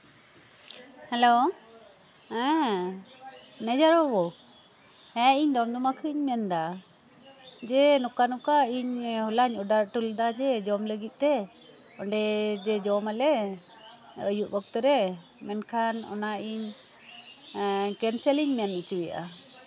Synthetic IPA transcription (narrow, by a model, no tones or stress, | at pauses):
hɛlo | ɛ | nɛd͡ʒaɾɔbɔ | hɛiɲd̪ɔmd̪ɔmakʰɯɲmɛnd̪a | d͡ʒɛnɔkanɔkaiɲhulaɲɔɖaɾʈuld̪ad͡ʒɛd͡ʒɔmləɡit̪̚ˀt̪ɛ | ɔɳɖɛd͡ʒɛd͡ʒɔmalɛ | əjuʔbɔk̚t̪ɔɾɛ | mɛnkʰanɔ̰naiɲ | kɛnsɛliɲmɛnut͡ʃujaʔa̰